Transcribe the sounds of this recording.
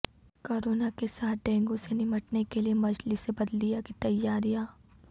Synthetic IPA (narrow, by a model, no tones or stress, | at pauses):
koːɾoːnakesaːt̪̚ʰɖɛ̃ːŋɡõsenɪməʈnekeliemɐd͡ʒlisebɐd̪lijakit̪ɐjːaːɾijaː